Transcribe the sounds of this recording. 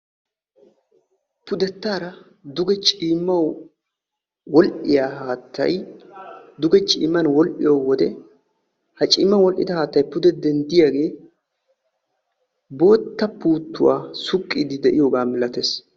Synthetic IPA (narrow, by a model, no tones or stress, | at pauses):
pʊd̪ɛt̪ːaːɾɐ | d̪ʊɡɛt͡ʃʼiːmːɐw | wɔlʔɪjaːɦaːt̪ːɐ̰j | d̪ʊɡɛt͡ʃʼḭːmːɐnwɔlʔɪjowɔd̪ɛ | hɐt͡ʃʼiːmːɐnwɔlʔɪd̪ɐhaːt̪ːɐjpʊd̪ɛd̪ɛnd̪ɪjaːɡe̞ː | bo̞ːt̪ːɐpuːt̪ːʊwa̰ːsʊkʼːɪd̪ɪd̪ɛʔɪjoːɡaːmɪlɐt̪es